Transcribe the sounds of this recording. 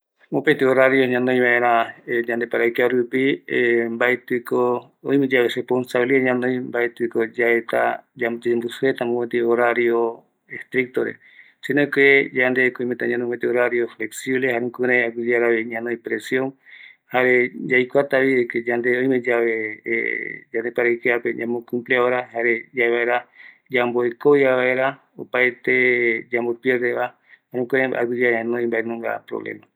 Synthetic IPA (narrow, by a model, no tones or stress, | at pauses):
mopet̪ioɾaɾjoɲãnõj̃βaẽɾ̃ãd͡ʒãnd̪epaɾajkaɾupimbaet̪ɨko | o̰j̃mẽd͡ʒaβerehponsaβiliaɲãnõj̃mbaet̪ɨkod͡ʒaet̪a̰d͡ʒat̪imbusuet̪amõpet̪ioɾaɾjo | est̪ɾik̚t̪oɾḛ | senõked͡ʒand̪ekoĩmẽt̪aɲãnõpet̪eoɾaɾjofleksiβlehaɾẽŋkɨɾẽakud͡ʒeaɾaβiɲãnõjpɾesjõŋhaɾed͡ʒajkʷat̪aβieked͡ʒand̪eõj̃mẽd͡ʒaβḛ | d͡ʒand̪epaɾajkeapeɲãmõkũmpleaoɾahaɾed͡ʒaeβaeɾa | d͡ʒamboekoiaβaeɾa | opaet̪ed͡ʒambopjeɾd̪eβa | haɾẽkuɾẽa̰ɡud͡ʒaɲãnõĩmbaenõŋɡa̰pɾo̰βlḛma